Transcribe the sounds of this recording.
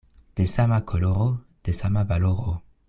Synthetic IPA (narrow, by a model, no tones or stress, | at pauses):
d̪̥esamakʰoloʁod̪̥esamabaloʁo